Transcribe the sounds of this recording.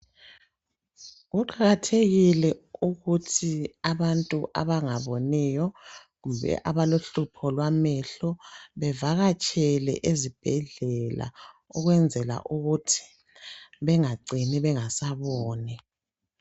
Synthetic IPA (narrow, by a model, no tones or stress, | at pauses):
ɣuǃaɣatʰeɣilɛuɣutʰiaβantʼuʔa̰βaŋaβonijɔ | ɣuβɛ̰ʔaβaloɬupʰɔlwamɛɬɔβɛvaɣat͡ʃʼɛlɛ̰ʔezib̥ʱɛɮɛla̰ | ɔɣwɛnd͡zʱɛla̰ʔuɣutʰi̥ | βɛŋaɡ͡ǀʱiniβɛŋasaβɔːnɛ